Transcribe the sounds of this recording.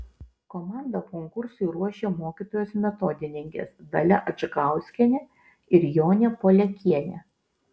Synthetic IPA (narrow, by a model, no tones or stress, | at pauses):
komɑˑnd̪ɐkɔŋkʊɾsʊɪɾuɔʃʲeːmoːkʲiːt̪oːjoːsmʲɛt̪ɔd̪ʲɪnʲɪŋʲkʲḛsd̪ɐlʲɛʔɐd͡ʒɐɡɑˑʊsʲkʲɛnʲɛ | ɪɾjoːnʲɛpoːlʲɛkʲiɛnʲɛ̰